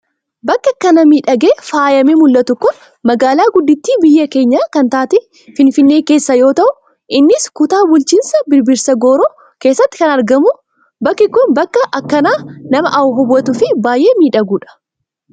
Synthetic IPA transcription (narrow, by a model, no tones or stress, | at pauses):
bɐkːɐkːɐnɐmiːᶑɐɡe̞ːfaːjɐmemʊlːɐt̪ʊkːʊn | mɐɡaːlaːɡʊd̪ːɪt̪ːiːbɪjːɐke̞ːɲːaːkɐnt̪aːt̪ɛ | fɪnfɪnːeːke̞ːsːɐjo̞ːt̪ɐʔʊ | ʔɪnːɪskʊt̪aːbʊlt͡ʃiːnsɐbɪɾbɪɾsɐɡoːɾoː | ke̞ːsːɐt̪ːɪ̥kɐnɐɾɡɐmʊ | bɐkːɪkːʊnbɐkːɐʔɐkːɐnaːnɐmɐʔɐʊɦɔbːɐt̪ʊfɪbaːjʔe̞ːmiːᶑɐɡuːᶑɐ̥